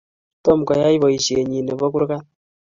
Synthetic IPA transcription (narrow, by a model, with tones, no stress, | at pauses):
tɔ˦˨mkɔ˨ja˦jbɔ˨i˨ʃe˨ɲi˨ne˨bɔ˦ku˦ɾka˦t